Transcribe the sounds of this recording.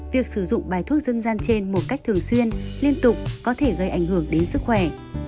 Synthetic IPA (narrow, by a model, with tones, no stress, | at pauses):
vi˨˩ək̚sɨ˧˩zʊ̰˧˨ŋ͡mɓaː˨˩jt̪ʰu˦˥ək̚zə˧nzaː˧nt͡ɕe˧nmo˨˩t̚ka˦˥jk̚t̪ɨ˨˩əŋswi˧ənli˧ənt̪ʊ˨˩k͡p̚kɔ˨˦t̪ʰe˧˩ɣə˧˩jʔa˧˩jŋ̟hɨ˧˩əŋɗe˨˦nsɨ˦˥k̚xwɛ˧˩